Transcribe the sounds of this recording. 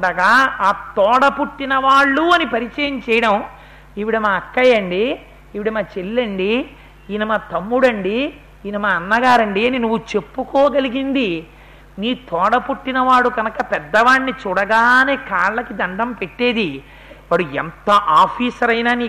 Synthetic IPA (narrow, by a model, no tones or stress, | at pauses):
ɖɐɡaːaːt̪ɔːɽɐpuʈːinɐʋaːɭːuɐnipɐɾit͡ʃɐjɐmt͡ʃɛːjɐɽɐm | iʋiɽɐmaːɐkːɐjɐɳɖiː | ʋiɽɐmaːt͡ʃelːɐɳɖi | inɐmaːt̪ɐmːuɽɐɳɖi | iːnɐmaːɐnːɐɡaːɾɐɳɖiɐninuʋːut͡ʃe̞pːukɔːɡɐliɡind̪i | niːt̪ɔːɽɐpuʈːinɐʋaːɭːuɡɐnɐkɐpɛd̪ːɐʋaːɳːit͡ʃuːɽɐɡaːneːkaːɭlːɐkid̪ɐɳɖɐmpeʈːe̞ːd̪i | ʋaːɽuɛnt̪ɐʔaːpʰiːsɐɾɐjnaːniː